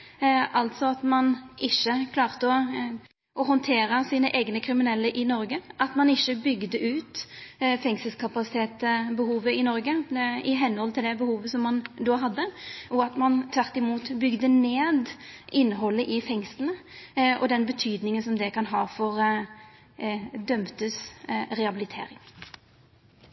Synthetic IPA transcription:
ʔɑlt̪sɔɑt̪mɑnʔɪçːəkʰlɑːʁt̪əɔ | ɔɦɔnt̪ʰeːɾəsiːnəʔeːɡnəkʰɾɪmɪnɛlːəʔɪnɔɾɡəʔɑt̪mɑnɪçːəbʏɡd̪əʔʉːt̪fɛŋsəlskʰɑpɑsɪt̪ʰeːt̪bəhuːʋəɪnɔɾɡəɪɦɛnːəhɔlt̪ʰɪld̪ɛbəhuːʋəsɔmːɑnd̪oːɦɑd̪ːəʔɔɑt̪mɑnt̪ʰʋæʁt̪ɪmuːt̪bʏɡd̪əneːd̪ʔɪnːəɦɔlːəʔɪfɛŋsln̩əɔd̪ɛnbət̪ʰyːd̪nɪŋənsɔmd̪ɛkʰɑnɦɑːfɔɾ | d̪œmt̪əsɾɛɑbɪlɪt̪ʰḛːɾɪŋ

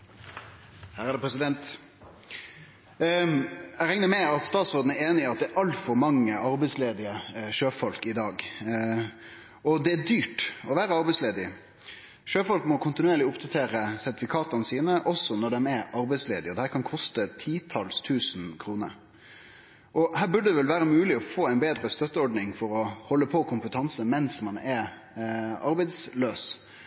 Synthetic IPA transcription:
hæːɾæd̪ɛpʰɾɛsɪd̪ɛnt̪ | æɾɛŋnəmɛɪɑt̪st̪ɑːt̪sʁoːd̪n̩æɾeːnɪɑt̪̚d̪ɛæɾʔɑlt̪fɔɾmɑŋːəʔɑɾbɛɪsleːd̪ɪəʃøːfɔlkɪd̪ɑːɡ | ɔd̪ɛæd̪yːʈɔʋæːɾəɑɾbɛɪsleːd̪ɪ | ʃøːfɔlkmɔkʰʊnt̪ɪnʉeːɾɭɪʊpd̪ɑt̪ʰeːɾəsæɾt̪ɪfɪkʰɑːt̪ɑnəsiːnəʔɔsɔnɔɖɛmɛɾɑɾbɛɪsleːd̪ɪɔd̪ɛhæːɾkʰɑnkʰɔst̪ət̪ʰiːt̪ʰɑlst̪ʰʉːsn̩kʰɾuːnə̰ɾ | ʔɔhæːɾbʉɖəd̪ɛʋɛlʋæːɾəmʉːlɪɔfoːæɪnbeːd̪ɾəst̪œt̪ːəɔɖnɪŋfɔɾɔhɔlːəpʰɔkʰʊmpət̪ʰɑnsəmɛnsmɑnɛɾ | ɑɾbɛɪd̪sløːs

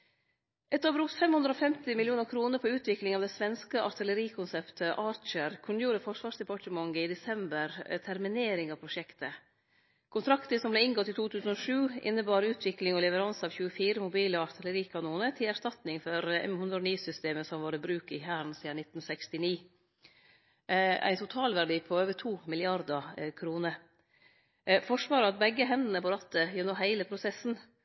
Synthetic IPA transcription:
ʔɛt̪ːobɾʊkt̪fɛmhʉnd̪ɾoːfɛmt̪ɪmɪljuːnəɾkʰɾuːnəɾpʰɔʉːt̪ʰʋɪklɪŋɑːʋd̪ɛsʋɛnskəʔɑɾt̪ʰɪləɾiːkʰʊnsɛpt̪ʰəʔɑːɾt͡ʃəɾkʰʉnːəjuːɾəfɔʂʋɑːʂd̪ɛpɑʈəmɑŋɡəɪd̪ɛsɛmbəɾt̪ʰæɾmɪneːɾɪŋɑʋpʰɾʊʃɛkt̪ə | kʰʊnt̪ʰɾɑkt̪əsɔmblɛɪŋɡɔt̪ːiːt̪ʰuːt̪ʰʉːsən̩oʂʉːʔɪ̰nːəbɑːɾəʉːt̪ʰʋɪklɪŋɔlɛʋəɾɑnsɑːʋçʉːəfiːɾəmʊbiːləɑɾt̪ʰələɾiːkʰɑnuːnət̪ʰɪlæɾʂt̪ɑt̪nɪŋfɔɾɛ̰mhʉnd̪ɾəɔniːsʏst̪eːməsɔmʋɑːɾəbɾʉːkɪhæːɾn̩siːənɪt̪ːn̩sɛkst̪ɪniː | æ̰ɪnt̪ʰʊt̪ʰɑːlʋæɖiːpʰɔøːʋət̪ʰuːmɪlɪɑɾd̪əkʰɾuːnəɾ | fɔʂʋɑːɾəɑt̪̚bɛɡːəɦɛnd̪nəpɔɾɑt̪ːəjəːnoːɦæɪləpʰɾʊsɛsn̩

